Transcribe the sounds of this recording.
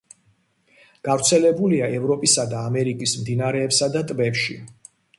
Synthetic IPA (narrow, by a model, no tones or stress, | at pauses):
ɡ̥avɾt̪sʰɛlɛbuliaɛvɾɔpʼisad̪aːmɛɾikʼismd̪inaɾɛːpsad̪at̪ʼbɛpʃḭ